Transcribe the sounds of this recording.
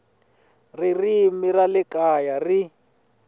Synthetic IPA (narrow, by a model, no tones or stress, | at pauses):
ririmiralɪkajari